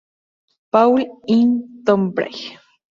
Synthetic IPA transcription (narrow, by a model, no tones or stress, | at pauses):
pawlint̪ompɾa̰j